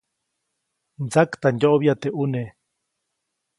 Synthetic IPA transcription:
nd͡zakt̪and̪oʔβijat̪eʔune

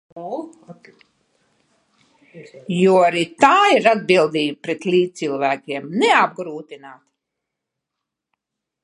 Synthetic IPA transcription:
juɔaɾit̪aːiɾad̪̚bilˠd̪iːɡpɾet̪lʲiːt̪silˠvæːkʲiɛmnɛab̚ɡɾuːt̪inaːt̪

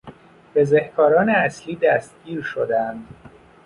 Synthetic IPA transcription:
b̥ezehkʰɒːɾɒːneæsliːd̪æst̪̚ɟ̥iːɾʃod̪ænd̪

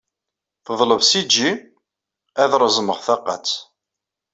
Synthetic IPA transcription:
θəðˤləvsid͡ʒːi | æðɾˤəzməʁθɑqːɑ̰t͡sː

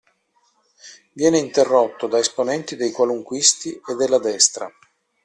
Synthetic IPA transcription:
vjɛːneint̪erːot̪ːod̪aesponɛnt̪id̪ejkwaluŋkwist̪ied̪ːelːad̪ɛst̪ɾa̰

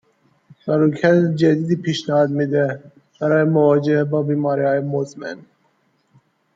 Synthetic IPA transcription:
sæɾukʰæt̪d͡ʒæd̪iːd̪iːpʰiːʃnæhɑːd̪miːd̪e | b̥æɾɑːjemovɑːd͡ʒebɒːbiːmɑːɾiːhɑːjemozmḛn

